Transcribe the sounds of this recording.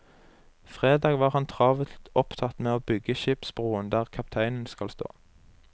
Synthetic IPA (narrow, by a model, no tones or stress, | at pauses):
fʁeːd̪ɑːɡʋɑːʁhɑnt̪ʰʁɑːʋət̪ɔpt̪ʰɑt̪meːoːbʏɡəʃɪpsbʁuːənd̪æːʁkʰɑp̚t̪ʰæɪnn̩skɑlst̪o̰ː